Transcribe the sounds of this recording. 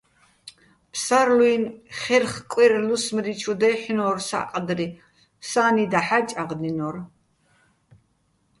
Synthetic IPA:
pʰsaɾlwinχɛrχkʼwiɾlusmɾit͡ʃʰud̪ɛħnɔːrsa̰qʼd̪ɾi | saːnid̪aħat͡ʃʼaqd̪inɔɾ

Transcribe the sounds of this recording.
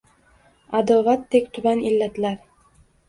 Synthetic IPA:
ad̪ɒvat̪ʰːekʲt̪ʰʊbanilːat̪laɾ

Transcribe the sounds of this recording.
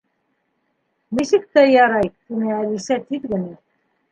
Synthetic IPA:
nisɘ̆k̚t̪æjɑɾɑjt̪inɘælisæt̪iðɡɘ̆nɘ

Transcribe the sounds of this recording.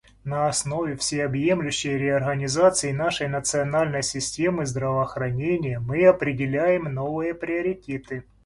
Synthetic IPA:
nɐɐsno̞vʲɪfsʲejɐbjemlʲʉɕːɪjɾʲɪɐrɣənʲɪzat̪sɨɪnaʂəjnət̪sɨɐnalʲnəjsʲɪsʲtʲe̞mɨzd̪ɾəvɐːxɾɐnʲenʲɪjəmɨɐpɾʲɪdʲɪlʲæjɪmno̞vɨjəpɾʲɪɐɾʲɪtʲet̪ɨ

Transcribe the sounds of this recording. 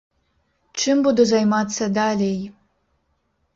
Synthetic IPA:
t͡ʃɪmbud̪uzɐjmat̪sʲɐd̪alʲej

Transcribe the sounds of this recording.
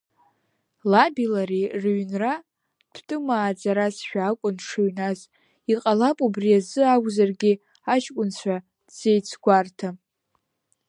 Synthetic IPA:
labilaɾirɥnra | d̥ʰtʼɨmaːd͡zaɾasʃᶣaːkʷʼʊnʂʰuɥnaz | iqʼalapʼubriazɨaɡʷzarɡʲi | aʃkʷʼʊnt͡ɕʷʰa | d̥z̥e̞jt͡sʰɡʷartʰa

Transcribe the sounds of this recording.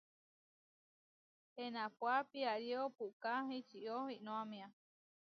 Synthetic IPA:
enãpwapiaɾiopuʔkaɦĩt͡ʃiʔohinõamĩã

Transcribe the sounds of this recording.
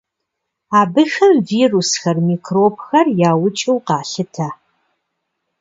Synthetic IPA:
aːbɨxɐmviːrusxɐrmiːkʰroːpxɐrjaːwʊt͡ʃʼiwqɑːɬɨtʰa

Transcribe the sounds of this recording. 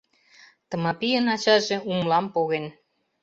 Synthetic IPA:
t̪ɤ̆mɑpijənɑt͡ɕɑʒĕumlɑmpoɣen

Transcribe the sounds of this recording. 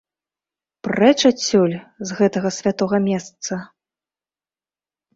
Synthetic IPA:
prɛt͡ʂat͡sʲːulʲzɣɛt̪ɐɣɐsʲvʲat̪ɔɣɐmʲɛst̪sɐ

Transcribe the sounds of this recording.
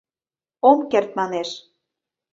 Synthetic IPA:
omkert̪̚mɑneʃ

